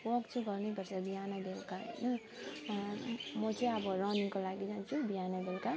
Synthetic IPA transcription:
wʌkt͡sʰuɡʌɾnepʌɾsabijanad̪elkaɦʌ̰jnʌ | mʌt͡sʌ̃j̃ʌbʌɾʌniŋkolaɡid͡ʒãnt͡ʃʰubijanad̪elka

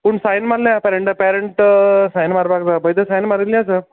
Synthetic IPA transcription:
pəɳsajnmaɾljapɛɾeɳʈapɛɾəɳʈsajnmaɾbak̚d͡zabəjd̪əsajnmaɾilias̬ə

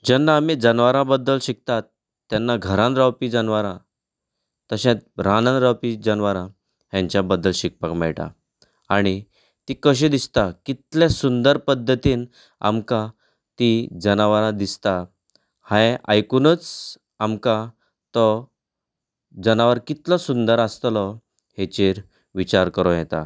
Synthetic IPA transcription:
d͡ʑənːaːmid͡zənʋaɾãbəd̪ːəlɕik̚t̪at̪ː | janːaɡʱəɾãnɾawpid͡zənʋaɾã | t̪əɕɛ̃t̪̚ɾananɾawpid͡zənʋaɾã | ɦjãɲt͡ɕjabəd̪ːəlɕik̚pakmɛɭʈa̰ | aɽ̃i | t̪ikəɕ̬ẽd̪ist̪akit̪lesund̪əɾpəd̪ʱːət̪iːn | a̰mkã | t̪id͡zənaʋaɾãd̪ist̪a | hãjʔajkunət͡s | amka | t̪ɔ | d͡zənaʋəɾkit̪lɔsund̪əɾast̪lɔ | het͡ɕeɾ | ʋit͡ɕaɾkəɾõjɛt̪a̰

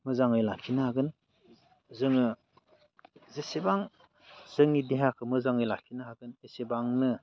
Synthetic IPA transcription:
mɯzaŋɯjlakʰinaaɡɯn | zɯŋɯ | zesebaŋ | z̥ɯŋideɦakʰɯmɯzaŋɯjlakʰinaɦaɡɯnesebaŋnɯ

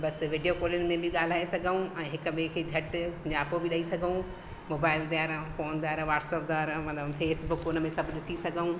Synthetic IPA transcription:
bɐsʋiːɖijokoːlɪʊnmẽbʱɪɠaːl̤aːesɐɡʱəũɛ̃ːɦɪkəɓĩkʰeːd͡ʑʱɐʈʊ̃ɲd͡ʑaːpobɪɗɐisɐɡʱəũ | moːbaːɪld̪jaːɾfoːnd̪jaːɾʋaːʈsəp̚d̪aːɾmɐfeːsbʊkʊnəmẽsɐbʱɗɪsisɐɡʱəũ

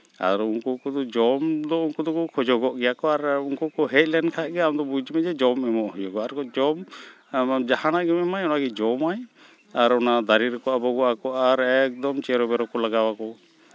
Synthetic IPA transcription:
a̰ɾuŋkɔkɔd̪ɔd͡ʒɔmd̪ɔuŋkɔd̪ɔkɔkʰɔd͡ʒɔɡɔʔɡɛjakɔaɾunkɔkɔɦɛt̪̚ˀlɛnkʰaɡɛamd̪ɔbud͡ʒmɛd͡ʒɛd͡ʒɔmɛmɔʔhɔd͡ʒɔɡɔaɾkɔd͡ʒɔm | d͡ʒahanaʔɡɛmɛmajɔnaɡɛd͡ʒɔmaj | aɾɔnad̪aɾiɾkɔʔabɔɡɔʔakɔʔaɾɛk̚d̪ɔmt͡ʃɛɾɔbɛɾɔkɔlaɡawakɔ

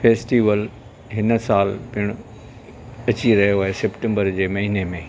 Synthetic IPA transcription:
feːsʈiːʋəl | ɦɪn̆saːlpɪɪɽ̃ʊ | ɐt͡ɕiɾɐɦijoaːɦesepʈə̃mbəɾd͡ʑeːmɐɦiːnemẽː

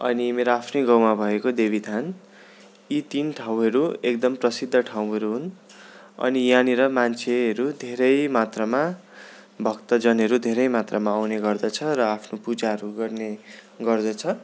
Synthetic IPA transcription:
ʌ̰nimeɾoapʰnʌjɡʌwmabʱʌekod̪ebʱid̪ʱan | it̪inʈʰaw̃ɦʌɾuek̚d̪ʌmprʌsid̪ʱːʌʈʰaw̃ɦʌɾuɦun | ʌ̰nijaniɾʌmant͡sʰeɦʌɾud̪ʱeɾʌjmat̪rʌma | bʱʌkt̪ʌd͡zʌnɦʌɾud̪ʱeɾʌjmat̪rʌmaːwneɡʌrd̪ʌt͡sʰʌrʌapʰnopud͡zaɦʌɾuɡʌrneɡʌrd̪ʌt͡sʰʌ

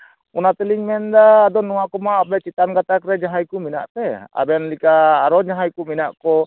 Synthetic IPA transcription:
unat̪ɛliɲmɛnd̪aːd̪ɔnːuaʔkɔmaabɛt͡ʃit̪anɡat̪akɾɛɲaɦajkumina̰ʔt̪ɛa̰bɛnlikaːɾɔɲaɦajkuminaʔkɔ

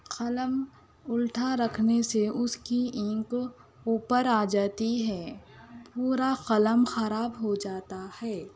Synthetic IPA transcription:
qɐləm | ʊlʈʰaɾɐkʰneseʔʊskiɪ̃k | uːpəɾaːd͡ʒaːt̪iɦɛːpuːɾaxɐləmxɐɾaːbɦod͡ʒaːt̪ahɛː

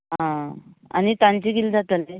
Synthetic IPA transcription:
ɦãa̰ñit̪ãɲt͡ɕiɡild͡zat̪əle

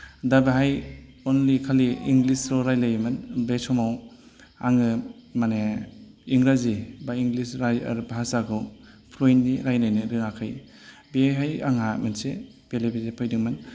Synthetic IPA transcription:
dabaɦaj | ɔnlikʰaliiŋɡlisɾɔɾajlajmɯnbesɔmaw | aŋɯmane | iŋɾazibaiŋɡlisɾaj̰ɾbaɦasakʰɯw | pʰɾojndiɾajnajnɯɾɯŋakʰɯj | beɦaja̰ŋamɯnse | b̥elebezepʰɯjdɯŋmɯn

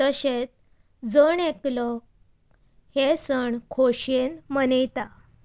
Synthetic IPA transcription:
t̪əɕet͡s | d͡zəɳeklɔ | hesəɳkʰoɕenmənejt̪a

